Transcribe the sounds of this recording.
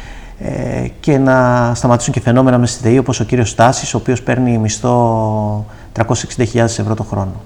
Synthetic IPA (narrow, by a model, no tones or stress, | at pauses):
ḛce̞nɐst̪ɐmɐt̪i̥suɲce̞fe̞no̞me̞nɐmest̪it̪eio̞po̞sociɾio̞st̪ɐsi̥so̞ːpio̞spe̞ɾnimist̪o̞ | t̪ɾɐko̞se̥seksind̪ɐçiʎɐðe̞se̞vɾo̞t̪o̞xɾo̞no